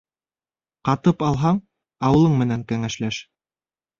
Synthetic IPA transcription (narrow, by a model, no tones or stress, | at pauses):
qɑt̪ɤpɑlˠɦɑɴ | ɑwɤ̆lˠɤɴmɘ̆næŋkæŋæʃlæʃ